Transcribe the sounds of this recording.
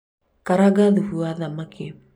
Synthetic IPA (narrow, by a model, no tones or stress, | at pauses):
kaɾaɡaðuhuaðamakʰe